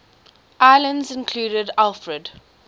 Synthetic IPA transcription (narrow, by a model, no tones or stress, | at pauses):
ʔaɪlə̃ndzɪ̃nkʰl̥uːɾədalfɹəd